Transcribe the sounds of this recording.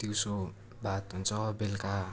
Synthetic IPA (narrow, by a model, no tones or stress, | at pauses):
t̪iwso | bat̪ɦunt͡sʰʌbelka